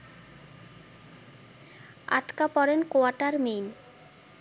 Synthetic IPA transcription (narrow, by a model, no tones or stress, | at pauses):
a̰ʈkapɔɾenkoaʈaɾmen